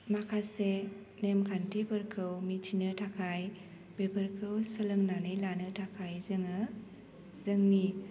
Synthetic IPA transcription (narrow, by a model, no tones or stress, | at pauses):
makʰase | nemkʰantʰipʰɯɾkʰɯwmitʰinɯtʰakʰaj | bepʰəɾkʰɯwsəlɯŋnanɯjlanɯtʰakʰajzɯŋɯ | zɯŋni